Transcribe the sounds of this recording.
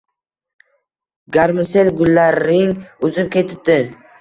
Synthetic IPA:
ɡaɾmɪse̞lɡʊlːaɾɾɪŋʊzɪp̚kʲʰe̞t̪ʰɪp̚d̪ɪ

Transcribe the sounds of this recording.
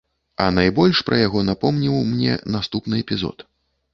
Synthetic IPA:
ɐ̰najbɔlʲʂpɾʔɐjaɣɔnapɔmnʲiwmnʲɛ̰nast̪upnɨɛpʲizɔ̰t̪

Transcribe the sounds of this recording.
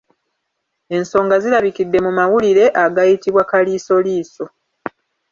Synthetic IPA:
e̞nso̞ːŋɡazilaβikidːe̞mumawuliɾe̞ʔaɡajitiβwakaliːso̞liːso̞

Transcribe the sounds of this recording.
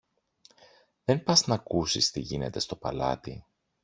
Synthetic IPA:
ðe̞npɐznɐkusist̪iʝine̞t̪e̞st̪o̞pɐ̰lɐ̰t̪i

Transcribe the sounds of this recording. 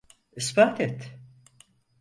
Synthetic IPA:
ispaːt̪ɛt̪

